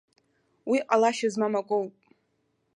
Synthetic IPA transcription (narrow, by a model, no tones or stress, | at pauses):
wiqʼalaʃazmamakʷʼowpʼ